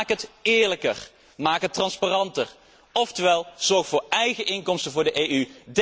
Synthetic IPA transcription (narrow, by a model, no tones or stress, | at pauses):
kəɦətɪːɹləkər | maːkətːrɑnspaːrɑntər | ɔftəʋɛlˠz̥ɔɹχfʊːɹɛjχəʔɪŋkɔmstənvʊːɹdəʔeːyd